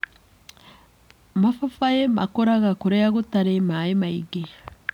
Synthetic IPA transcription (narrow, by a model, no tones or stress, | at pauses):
mafafajema̰koɾaɡakuɾejaɡutaɾemajemaiɡe